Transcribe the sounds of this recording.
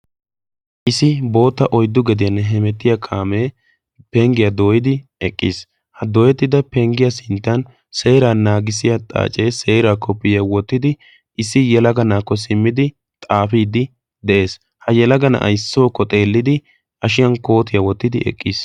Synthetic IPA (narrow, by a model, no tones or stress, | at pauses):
ʔɪsɪbo̞ːt̪ːɐʔɔjd̪ːʊɡɛd̪ɪjɐnːɛɦɛmɛt̪ːɪjakʰaːmeː | pɛŋɡɪjɐd̪oːjɪd̪ɪɛkʼːiːs | hɐd̪ɔːjɛt̪ːɪd̪ɐpɛŋɡɪjɐsɪnt̪ːɐn | se̞ːɾaːnaːɡɪsɪjɐt̪ʼa̰ːt͡ʃʼeːse̞ːɾaːkːɔpːɪjɐwɔt̪ːɪd̪ɪ | ʔɪsɪjɛlɐɡɐnaːkːɔs̬ɪmːɪd̪ɪ | t̪ʼaːfiːd̪ɪ | d̪ɛʔe̞ːs | hɐjɛlɐɡɐnɐ̰ʔɐ̰jsːoːkːɔt̪ʼe̞ːlːɪd̪ɪ | ʔɐʃɪjɐnko̞ːt̪ɪjɐwɔt̪ːɪd̪ɪʔɛ̰kʼːiːs